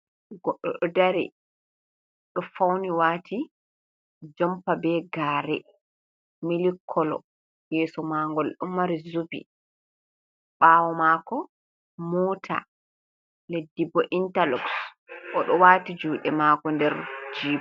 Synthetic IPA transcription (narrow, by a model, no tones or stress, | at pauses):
ɡɔɗːɔɗɔdaɾḭ | ɗɔfawniwaːtʰi | d͡ʒɔmpabɛɡaːɾɛ | milikʰːɔlɔ̰ | jɛːsɔmaŋɡɔlɗumːaɾizubḭ | ɓaːwɔmakɔ | mɔːtʰa̰ | ledːibɔʔintalɔks | ʔɔɗɔwaːtid͡ʒuːɗɛmakɔndɛɾd͡ʒiːb